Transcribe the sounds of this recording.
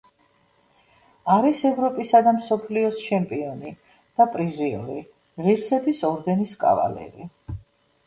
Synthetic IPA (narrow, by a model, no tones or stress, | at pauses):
aɾisɛvɾɔpʼisad̪amsɔpʰliɔst͡ʃʰɛmpʼiɔni | d̪̥apʼɾiziɔ̰ɾi | ʁiɾsɛbisɔɾd̪ɛniskʼa̰va̰lɛ̰ɾi